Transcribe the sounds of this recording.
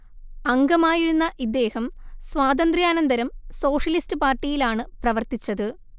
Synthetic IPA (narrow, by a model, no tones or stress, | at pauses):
ɐŋɡɐmaːjiɾunːɐʔid̪ːe̞ːhɐmswaːd̪ɐnd̪rjaːnɐnd̪ɐɾɐmso̞ːʂɐlistɨpaːrʈːijilaːɳɨprɐʋɐrt̪it͡ɕːɐðɨ